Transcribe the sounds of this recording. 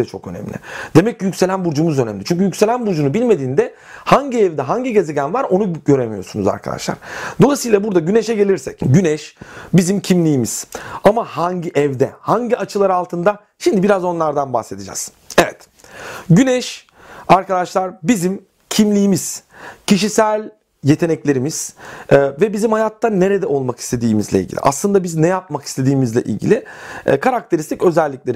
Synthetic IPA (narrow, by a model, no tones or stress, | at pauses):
ɛt͡ʃʰokø̞̰nɛ̰mlʲɪ̰d̪̥e̞mɛcːjycʲse̞lʲænbuɾd͡ʒumuzø̞nɛmlʲit͡ʃyɲʲcyjycʲse̞lʲænbuɾd͡ʒunubilʲme̞d̪iːnd̪ɛ | haɲɟiɛvd̪ɛɦaɲɟiɟezeɟʲænvaɾo̞nuɟø̞ɾemijo̞ɾsunuza̰ɾkʰa̰d̪a̰ʃlˠa̰ɾ̥d̪̥o̞lˠasɯjlˠabuɾd̪aɟyne̞ʃɛɟe̞lʲiɾsɛcɟynɛʃbizimcʰimlʲijːimiz̥amahaɲɟiʔɛvd̪ɛ̰haɲɟiat͡ʃʰɯlˠaɾɯalˠt̪ʰɯnd̪a | ʃimd̪ibiɾazo̞nlˠaɾd̪anbahse̞d̪ʰid͡ʒa̰z̥ | evɛ̰t̪ | ɟynɛʃ | aɾkad̪aʃlˠaɾbizim | cʰimlʲijːmiz̥cʰiʃisælʲ | jet̪ʰe̞nɛclʲe̞ɾimiz̥ɛːvɛbizimhajat̪ʰːanːe̞ɾed̪ɛʔo̞lˠmaki̥st̪ʰe̞d̪iːmḭzlʲḛḭlʲɟḭlʲḭʔa̰slˠɯnd̪abiznɛjap̚maki̥st̪ʰe̞d̪iːmizlʲɛ̰ʔḭlʲɟḭlʲɪ̰kʰaɾak̚t̪ʰe̞ɾist̪icø̞zɛlʲːiclʲe̞ɾi